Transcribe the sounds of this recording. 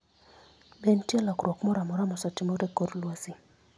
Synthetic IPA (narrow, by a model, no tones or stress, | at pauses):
bentjɛlakɾwɔkmɔɾamɔɾamɔsatɪmɔdɛkoɾlwasi